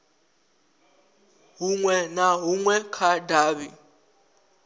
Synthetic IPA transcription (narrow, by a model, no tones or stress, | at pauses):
ɦuŋwɛnaɦuŋwɛkʰadaːβi